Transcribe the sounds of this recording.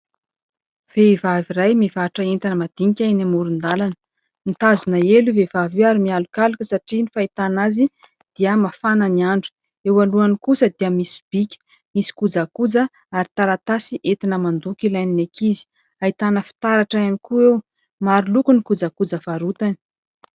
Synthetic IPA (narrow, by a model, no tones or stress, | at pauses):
v̥eivavirajmivaʈ͡ʂəent̪anəmad̪̥iŋikʲanamuɾund̪alan | nit̪azunaeluvevavewaɾimialukalukəsaʈ͡ʂinifait̪anazi | d̪̥iəmafanəniaɳɖ͡ʐu̥ | ewaluanikusəd̪iəmisi̥b̥ikʲə̥ | misi̥kud͡zakud͡zə | aɾit̪aɾat̪asiʔet̪inəmand̪ukilajninekizi̥ | ait̪anəfi̥t̪aɾaʈ͡ʂaanikuew | maɾulukunikud͡zakud͡zəfaɾut̪ani̥